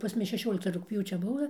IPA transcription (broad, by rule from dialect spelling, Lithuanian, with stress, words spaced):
pɐs ˈmʊs ʃʲɛˈʃʲoːlʲɪktɐ rʊkpʲˈjuːt͡ʃʲɛ ˈbʊʋɐ